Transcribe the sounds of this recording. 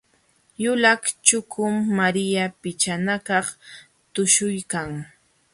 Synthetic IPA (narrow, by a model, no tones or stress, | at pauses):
jʊlakt͡ʃʊkʰʊmːaɾɪjapɪt͡ʃanakɑχ | t̪ʊʃʊjkaŋ